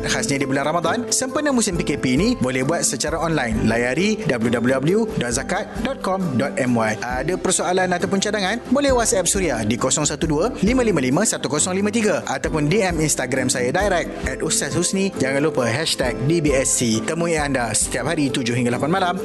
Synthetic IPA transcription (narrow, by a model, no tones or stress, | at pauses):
t̪̚hasɲãdibulanramad̪ansəmpərnə̃mũsɪmpikepiːnĩbolɛhbuat̪̚sət͡ʃaɾaɔnlajnlajaɾidabəljudabəljudabəljudɔt̪̚zakat̪̚dɔt̪̚kɔmdɔt̪̚ɛmwajʔadapərsoalanat̪awp̬ʊnt͡ʃadaŋãnbolɛhwasaɛp̚suɾiadikosɔŋsat̪udualimãlimãlimãsat̪ukosɔŋlimãt̪iɡaʔat̪awpʊndiɛminst̪aɡɾamsajadajɾɛk̚t̪̚ɛt̪̚ust̪ashusnĩd͡ʒaŋanlupəɦɛʃt̪ɛk̚dibiɛsit̪əmũiandasə̥t̪iap̚ɦaɾit̪ud͡ʒʊhɦiŋɡalapanmalam